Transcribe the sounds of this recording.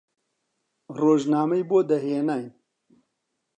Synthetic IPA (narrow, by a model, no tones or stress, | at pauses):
roːʒnaːmɐjboːd̪ɐɦeːnaj